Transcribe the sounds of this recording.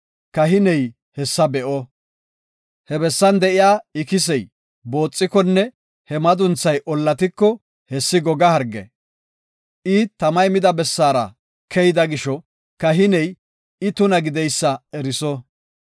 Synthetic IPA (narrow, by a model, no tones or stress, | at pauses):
kɐɦɪnɛj | hɛsːɐbɛʔɔ | hɛbɛsːɐnd̪ɛʔɪjaːɪkɪs̬ɛj | bo̞ːt͡sʼːɪkɔnːɛ | hɛmɐd̪ʊnt͡sːɐjʔɔlːɐt̪ɪkːɔ | hɛsːɪɡɔɡɐhɐɾɡɛ̰ | ʔɪt̪ːɐmɐjmɪd̪ɐbɛsːaːɾɐ̰ | kʰɛjɪd̪ɐɡɪʃɔ | kɐɦɪnɛj | ɪt̪ʊnɐɡɪd̪ɛjsːɐɛɾɪsɔ